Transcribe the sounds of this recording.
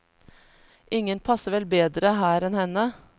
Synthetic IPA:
ʔɪŋənpʰɑsəʋɛlbeːd̪ɾəhæːɾɛnhɛnə

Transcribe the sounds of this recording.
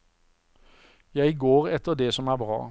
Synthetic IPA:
jæɪɡoːʁɛt̪əʁd̪eːsɔmæːʁbʁɑ̰ː

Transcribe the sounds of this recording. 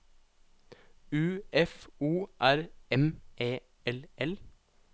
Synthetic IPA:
ʉːɛfuːʔæɾɛmʔeː | ɛlʔɛl

